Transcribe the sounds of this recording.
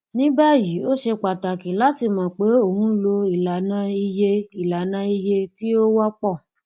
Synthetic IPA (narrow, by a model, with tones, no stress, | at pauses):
nĩ˦ba˦˨ji˨˦o˦ʃe˧k͡pa˨ta˨kĩ˨˦la˨˦ti˧˨mã˨k͡pe˨˦o˦˨hũ˦lo˧i˨la˨nã˧˦i˧je˧i˨la˨nã˧˦i˧je˧ti˦o˦wa˦k͡pɔ˦˨